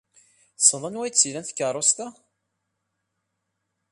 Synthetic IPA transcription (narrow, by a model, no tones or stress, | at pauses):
sˤəðˤənwæjt͡sːilænθkːərˤːost̪æ